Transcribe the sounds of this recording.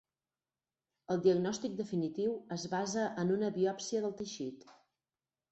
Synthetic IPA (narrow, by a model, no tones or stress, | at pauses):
əlˠd̪iəɡnɔst̪ik̚d̪əfinit̪iwəzβazəʔənunəβiɔpsiəðəlˠt̪əʃit̪